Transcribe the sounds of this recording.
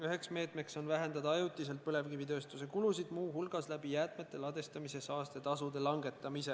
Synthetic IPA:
yɦe̞ksme̞ːt̪ˑme̞kso̞nvæɦe̞nd̪ɑd̪ɑɑjut̪ːˑis̬e̞lt̪̚pɤle̞vkivit̪ø̞ːst̪use̞kulusid̪̥muːɦulɡ̥ɑslæbijæːt̪me̞t̪ːˑe̞lɑd̪e̞st̪ɑmise̞sɑːst̪e̞t̪ɑsud̪e̞lɑŋɡe̞t̪ːˑɑmise̞

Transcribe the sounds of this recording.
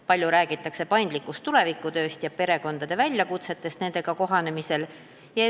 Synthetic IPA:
pɑlʲjuɾæːɡ̥it̪ːˑɑkse̞pɑjnd̪likːˑust̪ːule̞vikːˑut̪ø̞ːst̪jɑpe̞ɾe̞ko̞nd̪̥ɑd̪̥e̞vælʲjɑkut̪se̞t̪ːˑe̞st̪ne̞nd̪̥e̞ɡ̥ɑko̞ɦɑne̞mise̞l | jɑ

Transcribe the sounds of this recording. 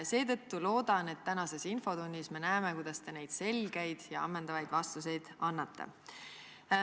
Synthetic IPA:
se̞ːt̪ɤ̞t̪ːulo̞ːd̪ɑne̞t̪ːænɑse̞sinfo̞t̪unʲːisme̞næemekujd̪̥ɑst̪e̞ne̞jd̪̥se̞lɡ̥ejd̪̥jɑ̰ɑ̰mːend̪̥ɑvɑjd̪vɑst̪use̞jd̪̥ɑnːɑt̪ːḛ

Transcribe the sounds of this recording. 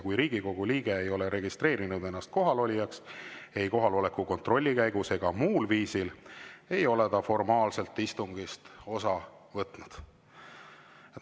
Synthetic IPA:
kujɾiːɡ̥iko̞ɡ̥uliːɡ̥e̞ejo̞le̞ɾe̞ɡist̪re̞ːɾinud̪e̞nːɑst̪̚ko̞ɦɑlo̞lʲijɑkse̞jko̞ɦɑlo̞le̞kuko̞nt̪ro̞lʲːikæjɡuse̞ɡ̥ɑmuːlviːsile̞jo̞le̞d̪ɑfo̞rmɑːlse̞lt̪ːist̪uŋɡ̥ist̪o̞sɑvɤt̪nud̪̥

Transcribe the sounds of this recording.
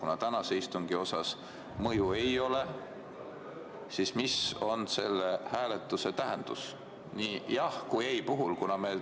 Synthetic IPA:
kunɑt̪ænɑseist̪uŋɡ̥io̞sɑs | mɤjue̞jo̞le̞ | sismiso̞nse̞lːehæːlet̪ːˑuse̞t̪æɦend̪̥us | niːjɑhkujejpuɦulkunɑme̞

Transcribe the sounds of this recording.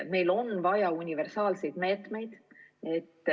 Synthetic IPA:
mejlonvɑjɑunivɛɾsɑːlsejt̪meːt̪mejd̪̥et̪ː

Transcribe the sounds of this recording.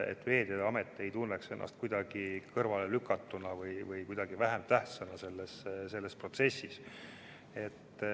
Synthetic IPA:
ḛt̪ːˑve̞ːd̪̥jɑd̪ɑme̞t̪ːˑe̞jt̪unːekse̞nːɑ̰st̪kujd̪ɑɡ̥ikɤrvɑlelykːˑɑt̪ːunɑvɯjvɯjkujd̪̥ɑɡ̥ivæɦemt̪æht̪sɑnɑse̞lːesse̞lːespro̞t̪se̞sːis | e̞t̪ː

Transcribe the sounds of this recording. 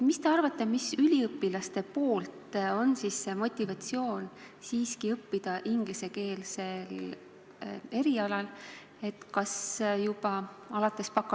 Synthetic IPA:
mist̪e̞ɑrvɑt̪ːˑe̞misylʲiɤpːilɑst̪e̞po̞ːlt̪o̞nsiːsːe̞mo̞t̪ʲˑːivɑt̪ʲsio̞ːn | siːskiɤpːid̪̥ɑʔiŋɡ̥lise̞ke̞ːlse̞l | e̞ɾiɑlɑl | e̞t̪kɑsjub̥ɑ | ɑlɑt̪ˑːe̞spɑkːˑɑ

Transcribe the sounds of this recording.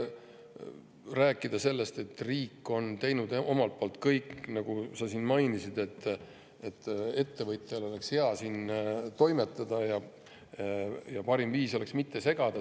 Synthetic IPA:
ræːkːˑid̪̥ɑse̞lːe̞st̪e̞t̪ːriːkːˑo̞nt̪e̞jnud̪o̞mɑlt̪̚po̞ːlt̪ˑkɤjknɑɡ̥usɑsinmɑjnisid̪̥e̞t̪ˑː | et̪ːe̞t̪ːe̞vɤt̪ˑelo̞le̞kshe̞ɑsiːnt̪o̞jme̞t̪ːˑɑd̪̥ɑjɑ | jɑpɑɾimviːso̞le̞ksmit̪ːe̞se̞ɡ̥ɑd̪̥ɑ

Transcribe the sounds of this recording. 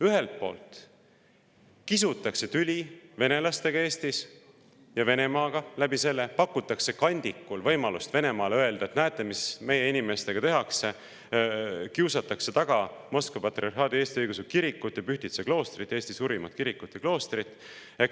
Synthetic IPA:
yɦe̞lt̪̚po̞̰ːlt̪ˑ | kisut̪ːˑɑkse̞t̪ylʲive̞ne̞lɑst̪e̞ɡ̥ɑe̞ːst̪is | jɑve̞ne̞mɑːɡ̥ɑlæbise̞lːe̞pɑkːut̪ːˑɑkse̞kɑnʲd̪̥ikːulvɤ̞jmɑlust̪ve̞ne̞mɑːlø̞e̞ld̪̥ɑet̪næːt̪ˑːemisme̞je̞inʲime̞st̪e̞ɡ̥ɑt̪e̞ɦɑkse̞ | kiusɑt̪ːˑɑkse̞t̪ɑɡ̥ɑmoskvɑpɑt̪ːriɑrhɦɑːd̪ieːst̪iɤjɡ̥us̬ekiɾikːˑut̪ːˑjɑpyçt̪it̪seklo̞ːst̪rit̪ːˑe̞ːst̪isuːɾimɑ̰t̪kiɾikːˑut̪ːjɑklo̞ːst̪rit̪ːˑ | ek

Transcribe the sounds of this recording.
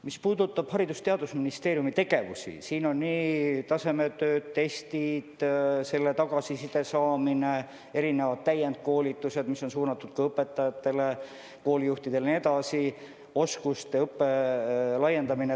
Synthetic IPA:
mispuːd̪̥ut̪ːˑɑb̥hɑɾid̪ust̪e̞ɑd̪usminist̪e̞ːɾijumit̪e̞ɡ̥e̞vṵsḭsiːno̞nːiːt̪ɑse̞me̞t̪øːt̪t̪ːe̞st̪id̪̥se̞lːe̞t̪ɑɡ̥ɑsisid̪̥e̞sɑːmine̞ | e̞ɾine̞vɑd̪̥̚t̪æjend̪̚ko̞ːlit̪ːˑuse̞d̪̥misːo̞nsuːnɑt̪ːˑud̪̥̚kɑɤpːe̞t̪ːˑɑjɑt̪ːe̞le̞ | ko̞ːlijuht̪id̪̥e̞lnie̞d̪ɑsi | o̞skust̪e̞ɤpːe̞lɑje̞nd̪ɑmine

